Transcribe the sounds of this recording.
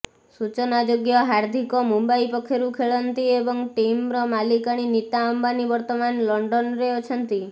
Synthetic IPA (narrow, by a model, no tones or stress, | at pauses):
sut͡ʃɔnad͡ʒoɡjɔɦaɾd̪ʱikɔmumbaipɔkʰːeɾukʰeɭɔnt̪iebɔŋʈimɾɔmalikaɽ̃init̪aɔmbanibɔɾt̪ɔmanlɔɳɖɔnɾeot͡ʃʰɔnt̪i